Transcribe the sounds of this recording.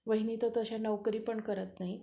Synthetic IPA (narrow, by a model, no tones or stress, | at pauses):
ʋəɦiniːt̪ot̪əɕanəʋkɾiːpəɳkəɾət̪naɦi